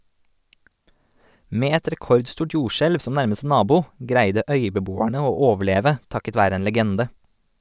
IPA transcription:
ˈmeː ˈɛt ɾɛˈkɔɾdˌstuːʈ ˈjuːʃɛlʋ ˈsɔm ˈnæɾməs ˈnɑːbuː ˈɡɾæɪdə ˈœʏbəˌbuːæɳə ˈoː ˈoːʋəˌɭeːʋə ˈtɑkət ˈʋæːɾə ˈeːn ləˈɡɛndə

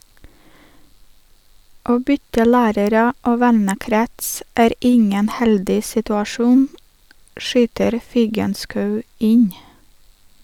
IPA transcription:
ˈoː ˈbʏtə ˈlæːɾəɾə ˈoː ˈʋɛnəˌkɾɛts ˈæːɾ ˈɪŋən ˈhɛldɪ sɪtʉɑˈʃuːn ˈʃyːtəɾ ˈfɪɡənskɑʉ ˈɪɲ

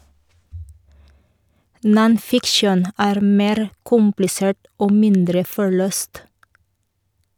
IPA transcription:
nɔnˈfɪkʃən ˈæːɾ ˈmeːɾ ˈkʊmplɪseːʈ ˈoː ˈmɪndɾə fɔˈɭøːst

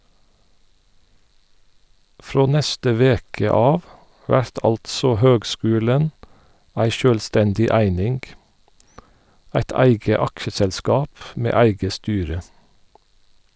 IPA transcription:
ˈfɹoː ˈnɛstə ˈʋeːkə ˈɑːʋ ˈʋæɹt ˈɑltsɔ ˈhøːɡˌskʉːlən ˈæɪ ˈʃøːlˌstɛndɪ ˈæɪnɪŋɡ ˈæɪt ˈæɪɡə ˈɑkʃəsɛlˌskɑːp ˈmeː ˈæɪɡə ˈstyːɹə

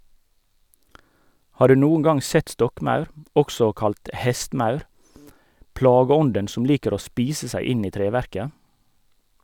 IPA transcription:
ˈhɑː ˈɖʉː ˈnuːn̩ ˈɡɑŋ ˈsɛt ˈstɔkˌmɑʉɾ ˈɔksɔ ˈkɑlt ˈhɛstˌmɑʉɾ ˈplɑːɡəˌɔndən ˈsʊm ˈliːkəɾ ˈoː ˈspiːsə ˈsæɪ ˈɪn ˈiː ˈtɾeːˌʋæɾkə

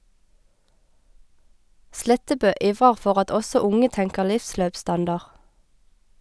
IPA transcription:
ˈslɛtəbøː ˈʔiːʋʁəʁ ˈfɔʁ ˈɑt ˈʔɔsɔ ˈʊŋə ˈtɛŋkə ˈlɪfˌsløːpˌstɑndɑʁ

